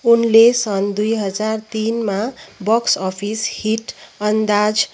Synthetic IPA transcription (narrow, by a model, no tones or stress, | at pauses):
unlesʌnd̪ujɦʌd͡zart̪inmabʌksʌpʰishiʈʌnd̪ad͡z